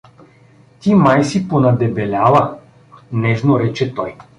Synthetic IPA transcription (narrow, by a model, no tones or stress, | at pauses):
t̪imajsiponɐd̪ɛbɛlʲavɐ | nɛʒnoɾɛt͡ʃɛt̪ɔj